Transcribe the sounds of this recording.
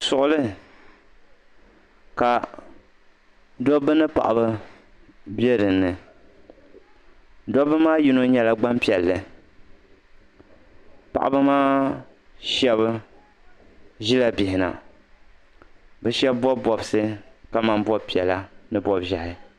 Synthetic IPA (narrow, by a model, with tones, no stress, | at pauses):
sʊ˨ʔʊ˦lɨ˦ | ka˨ | dɔ˦bɨ˦nɨ˦pa̰˨ʔa˨bɨ˦ | be˦ɾɨ˨nːɨ˨ | dɔ˦bɨ˦maː˦ji˦no˦ɲɛ˦la˨ɡ͡ba˦mpi˨ɛ˨lːɨ˨ | pa̰˨ʔa̰˨bɨ˦maː˦ | ʃɛ˦βɨ˦ | ʒi˦la˦bɪ˨hɪ˨na̰˨ | bɛ˨ʃɛ˦bbɔ˦bɔ˨bsɨ˦ka˦ma˨nbɔ˦pi˨ɛ˨la˦nɨ˦bɔ˦bʒa˨hɪ˦